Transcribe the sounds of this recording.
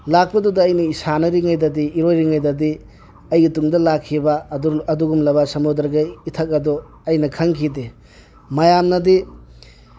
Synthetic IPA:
lak̚pɐdudɐːjnɐisanɐɾiŋajdɐdiːɾojɾiŋajdɐdi | ɐjɡɐtuŋdɐlakʰːibɐɐduɡumlɐbɐsɐmudɐɾɡɐitʰɐk̚ɐdɔ | ɐjnɐkʰɐŋkʰide | mɐjamnɐdi

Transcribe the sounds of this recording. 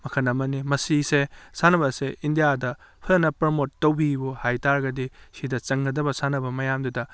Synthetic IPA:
mɐkʰɐnɐmɐnimɐsisesanɐbɐseindijadɐ | pʰɐnɐpɐɾmotːɐwbibuhajtaɾɡɐdisidɐt͡ʃɐŋɡɐdɐbɐsanɐbɐmɐjamdudɐ

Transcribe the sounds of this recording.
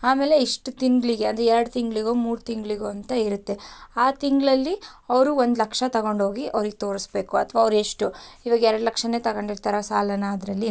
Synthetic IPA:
aːme̞ːle̞iʂʈut̪iŋɡɭiɡeɐnd̪ɾɛɛɾɐɽut̪iŋɡɭiɡoːmuːɾt̪iŋɡɭiɡoːɐnt̪ɐiɾut̪ːe̞aːt̪iŋɡɭɐlːiɐʋɾuond̪lɐkʂɐt̪ɐɡo̞ɳɖɦoːɡiʔɐ̰ʋɾiɡet̪o̞ːɾisbe̞ːkuɐt̪ʰʋaːʋɾueʂʈuiʋaːɡɐɛɾɐɽulɐkʂɐne̞ːt̪ɐɡo̞ɳɖiɾt̪aːɾɐsaːlɐnaːd̪ɾɐlːi

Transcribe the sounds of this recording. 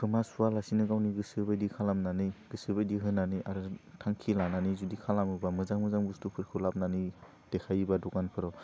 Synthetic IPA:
pʰɯmasualasinɯɡawniɡɯsɯɾbajdikʰalamnanɯjɡ̥ɯsɯɾbajdiɦɯnːanɯjaɾɯtʰaŋkʰilananɯzudikʰalamɯbamɯzaŋmɯzaŋbustupʰɯɾkʰɯlap̚nanɯ | d̥ekʰajbadɔkanpʰɯɾɔ

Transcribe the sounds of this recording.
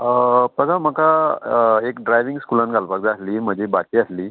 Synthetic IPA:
pəd̪aməka | ekɖɾajʋiŋɡskulanɡalpaɡ̚d͡zaasliːm̤əd͡ʑebat͡ɕiːasliː

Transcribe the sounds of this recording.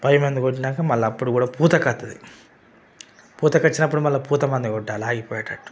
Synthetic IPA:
pɐjɐmend̪ukoʈːinaːkɐmɐlːɐːpːuɽukuːɽaːpuːt̪ɐkɐt̪ːɐd̪i | puːt̪ɐkɐt͡ʃːinɐp̬ːuɽumɐlːɐpuːt̪ɐmɐnd̪ɐkɔɖːaːlaːɡipɔːjɐʈɐʈːu̥

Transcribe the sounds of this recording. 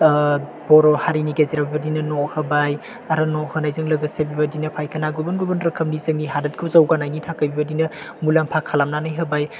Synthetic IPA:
bɔɾɔhaɾiniɡeziɾabibɐdinɐnɔhɐbaj | aɾɐnɔhɯnajzɯŋlɐɡɐsebibɐdinɐpʰajkɐnaɡubɐnɡubɐnɾɐkʰɐmnizɯŋniɦadɐt̚kʰɯzɐwɡanajnitʰakɐbibɐdinɐ | mulampʰakʰalamnanajɦɐbaj

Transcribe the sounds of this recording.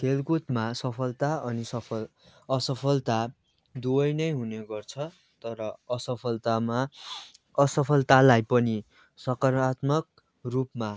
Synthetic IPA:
kʰelkut̪masʌpʰʌlt̪aʌnisʌpʰʌ | ʌsʌpʰʌlt̪a | d̪uʌjnʌjɦuneɡʌrt͡sʰʌ | t̪ʌɾʌʌsʌpʰʌlt̪ama | ʌsʌpʰʌlt̪alajpʌni | sʌkʌrat̪mʌk̚ | rupma

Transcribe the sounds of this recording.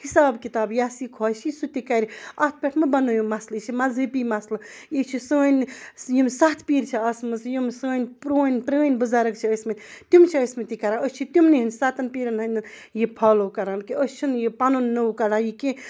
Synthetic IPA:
hisaːbkit̪aːbjaːsikʰɔjsʰisut̪ikaɾiɐt̪̚ʰpʲeʈʰmɨbɐnojumɐslit͡ʃʰimɐzɨpimɐslɐjit͡ʃʰisəːnjimsat̪ʰpiːɾt͡ʃʰiɐsmɨsjimsəːnʲpɾoːnʲpɾəːnʲbɨzaːɾɐkt͡ʃʰiəsmenʲt̪umt͡ʃʰiəsmet̪ikɐɾaəsʲt͡ʃʰit̪umniɦinsaːt̪ɐnpiɾɐnɦɐnʲ | jipʰalokɐɾankiəst͡ʃʰunjipanonːəwkɐɾajikẽ

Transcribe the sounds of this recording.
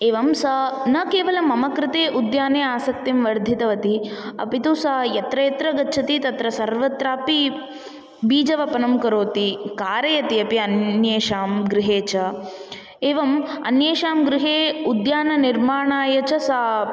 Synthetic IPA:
eːʋɐmsɐnɐkeːʋɐlɐmɐmɐkɾɪt̪eːʔud̪jaːneːaːsɐk̚t̪imʋɐɾd̪ʱit̪ɐʋɐt̪iɐ̰pit̪oːsɐjɐt̪ɾɐjɐt̪ɾɐɡɐt͡ʃʰɐt̪it̪ɐt̪ɾɐsɐɾʋɐt̪ɾaːpi | biːd͡ʒɐʋɐpɐnɐmkɐɾoːt̪ikaːɾɐjɐt̪iɐpiɐnjeːʃaːmɡɾɪɦeːt͡ʃɐ | eːʋɐmɐ̰njeːʃaːmɡɾɪɦeːud̪jaːnɐniɾmaːɳaːjɐt͡ʃɐsaː

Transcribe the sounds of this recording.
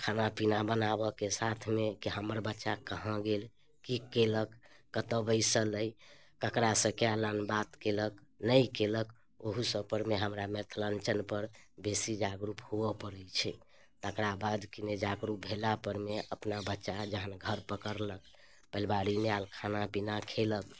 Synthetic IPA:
kʰanapinabənabəkesat̪ʰmekiɦəməɾbətːʃakəɦə̃ɡel | kikeləkːət̪əbəɪsələj | kəkɾasə̃kjalənbat̪keləknəjkelək | oɦusəpəɾmeɦəmɾamet̪ʰlənt͡ʃənpəɾbesid͡ʒaɡɾuphuəpəɾəjt͡ʃʰɛ | t̪əkɾabad̪kined͡ʒaɡɾup̚bʱelapəɾmeəpnabətːʃad͡ʒəɦənɡʱəɾpəkəɾlək̚ | pəlbaɾimealkʰanapinakʰelək̚

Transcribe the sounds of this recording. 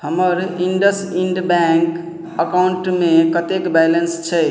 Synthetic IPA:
həməɾiɳɖəsiɳɖbɛŋk | əkauɳʈmekət̪ekbɛjlənst͡ʃʰɛ

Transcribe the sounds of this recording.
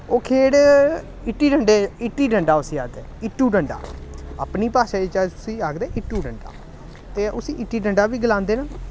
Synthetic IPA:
oːkʰeːɽ | ɪʈːiːɖəɳɖeːɪʈːiːɖəɳɖaːʊsiːaːt̪ɛːɪʈːuːɖəɳɖa̰ːə̰ːpniːpaːʃaːɪt͡ʃat̪ʊsĩːaɡd̪ɛːʔɪʈːuːɖəɳɖa̰ː | t̪eːʔʊsĩːʔɪʈːiːɖəɳɖaːʋiːɡəlãːnd̪eːnaː

